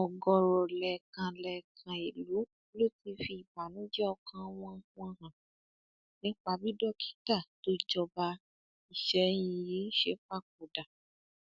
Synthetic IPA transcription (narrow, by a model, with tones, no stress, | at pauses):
ɔ˨ɡɔ˨ɾɔ˨lɛ˨kã˨lɛ˨kʰã˨i˨lu˨˦ | lo˦˨ti˧fi˧i˨ba˨nĩ˦d͡ʒɛ˦ɔ˧kʰã˧w̃ɔ̃˧˦ɔ̃˧ɦã˨ | nĩ˦k͡pa˧bi˦dɔ˦kʰi̥˦ta˦˨to˦d͡ʒɔ˧ba˧ | i˨ʃɛ˨j̃ĩ˧ji˨˦ʃe˦k͡pa˦˨k̚o˨da˨